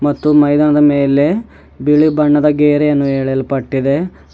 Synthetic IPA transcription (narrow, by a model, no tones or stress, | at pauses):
mɐt̪ːumɐjd̪aːnɐd̪ɐmeːle̞ | biɭibɐɳːɐd̪ɐɡeːɾejɐnːuɦeːɭejɐlpɐʈːid̪e̞